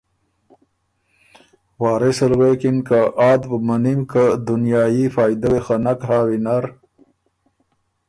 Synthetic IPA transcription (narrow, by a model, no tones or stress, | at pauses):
waːɾesɐlwekinkaʔaːd̪bmanimkad̪unjaːjifaːjd̪awexanakɦaːwinaɾ